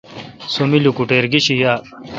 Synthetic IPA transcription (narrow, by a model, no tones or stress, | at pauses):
sumilukuʈeːɾɡiɕijaː